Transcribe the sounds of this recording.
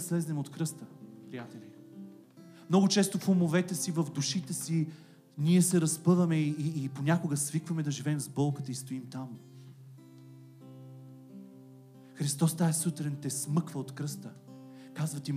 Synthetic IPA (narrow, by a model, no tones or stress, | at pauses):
slɛznɛmot̪kɾɤst̪əpɾijat̪ɛli | mnɔɡʊt͡ʃɛst̪ofomovɛt̪ɛsivɐvd̪uʃit̪ɛsi | nʲiɛsɛɾɐspɤvɐmɛiiːponʲakʊɡəsvikvɐmɛd̪ɐʒivɛmzbɔlˠkət̪əist̪oimt̪am | xɾist̪ɔst̪aɛsut̪ɾɛnt̪ɛsmɤkvəot̪kɾɤst̪ə | kazvɐt̪i